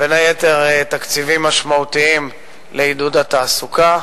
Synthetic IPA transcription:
b̥enajet̪e̞ʁet̪akt͡sivimːaʃmaut̪iim | leid̪ud̪at̪aːsuka

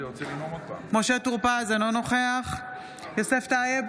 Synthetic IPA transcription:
moʃet̪uʁpazanono̞χeaχ | joseft̪aːje

